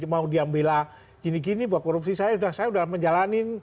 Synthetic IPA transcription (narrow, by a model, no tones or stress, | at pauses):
maudiambela | ɡinik̬inibuakoɾupsisajasudahsajaudahməɲd͡ʒalanin